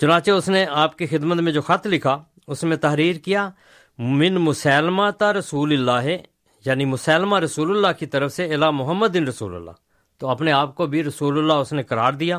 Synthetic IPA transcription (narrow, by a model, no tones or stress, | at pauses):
t͡ʃʊnãːt͡ʃeʊsneːaːpkiːxɪd̪mət̪mẽːd͡ʒoːxət̪ʰlɪkʰaː | ʊsmẽːt̪əɦɾiːɾkɪjaː | mɪnmʊsɛːlmaːt̪aːɾəsuːlɪlːaːɦe | jaːniːmʊsɛːlmaːɾəsuːləlːaːkit̪əɾəfʰseɪlaːmʊɦəmːəd̪ːɪnɾəsṵːlə̰lːa̰ː | t̪oːəpneːaːp̚koːbʱiːɾəsuːlʊlːaːʊsneːkəɾaːɾd̪ɪjaː